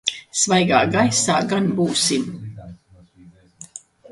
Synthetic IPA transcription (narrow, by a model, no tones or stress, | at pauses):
svajɡaːɡajsaːɡanbuːsim